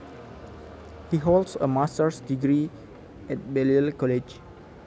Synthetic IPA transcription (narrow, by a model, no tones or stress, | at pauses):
hiɦoldsə̰mastəɹsdiɡɹi | ɛt̚bɛlilkɔlet͡ʃ